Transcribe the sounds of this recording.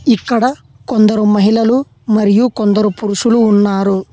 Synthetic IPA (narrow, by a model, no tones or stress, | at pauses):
ikːɐɽɐ | kond̪ɐɾumɐɦilɐlu | mɐɾijukond̪ɐɾupuɾuʂuluːnːaːɾu